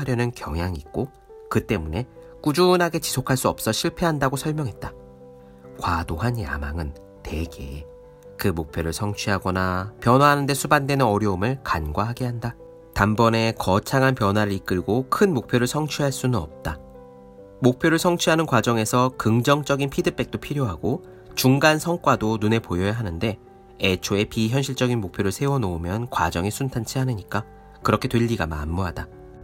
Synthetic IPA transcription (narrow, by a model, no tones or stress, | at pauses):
aɾjʌnɯnkjʌ̰ŋjaŋik̚k͈o | kɯt͈e̞mune̞ | k͈ud͡ʑunɦaɡe̞t͡ɕi̥sʰokʰaɭs͈uʌp̚s͈ʌɕʰiɭpʰe̞ɦandaɡosʰʌɭmjʌŋɦe̞t̚t͈a | kwadoɦanja̰maŋɯn | te̞ɡe̞̰ | kɯmok̚pʰjoɾɯɭsʰʌŋt͡ɕʰiɦaɡʌnapjʌnwaɦanɯnde̞sʰubandwe̞nɯnʌɾjʌumɯɭkanɡwaɦaɡe̞ɦanda | tambʌne̞kʌt͡ɕʰaŋanpjʌnwaɾɯɾik͈ɯɭɡokʰɯnmok̚pʰjoɾɯɭsʰʌŋt͡ɕʰuɦaɭs͈unɯnʌp̚t͈a | mok̚pʰjoɾɯɭsʰʌŋt͡ɕʰuɦanɯnkwad͡ʑʌŋe̞sʰʌkɯŋd͡ʑʌŋt͡ɕ͈ʌɡinpʰidɯp͈e̞k̚t͈opʰiɾjoɦaɡo | t͡ɕuŋɡansʰʌŋk͈wadonune̞pojʌjaɦanɯnde̞ | et͡ɕʰoe̞piçjʌnɕʰiɭt͡ɕ͈ʌɡinmok̚pʰjoɾɯɭsʰe̞wʌnoːmjʌnkwa̰d͡ʑʌŋesʰuntʰant͡ɕʰiɦaneɲik͈a | kɯɾʌkʰetweʎːiɡama̰mːoɦada